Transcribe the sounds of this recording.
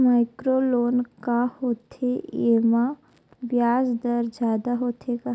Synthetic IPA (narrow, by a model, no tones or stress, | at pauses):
maːɪkɾoːloːnkahoːt̪ʰeeːma | bjaːzd̪əɾd͡ʒjaːd̪aɦoːt̪ʰeka